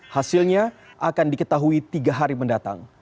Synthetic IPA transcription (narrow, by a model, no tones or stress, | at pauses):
hasɪlɲa | ʔakandikət̪aɦuit̪iɡaɦaɾiməndat̪a̰ŋ